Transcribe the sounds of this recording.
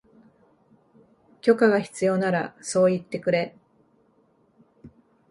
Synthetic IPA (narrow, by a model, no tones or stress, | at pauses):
kʲo̞kaɡaçi̥t͡sɨjo̞naɾa̰so̞ːit̪ːe̞kɯ̟ɾe̞